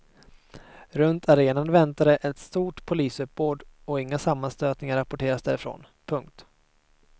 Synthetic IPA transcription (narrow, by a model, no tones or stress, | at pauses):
ɾɵnt̪ʰaɾeːnand̪əvɛnt̪aɾəʔɛt̪st̪uːʈpʰʊliːsɵp̚boːd̪ɔɪŋːasamːanst̪øːt̪nɪŋaɾapɔʈʰeːɾasd̪æɾɪfɾo̰ːn | pʰɵŋkt̪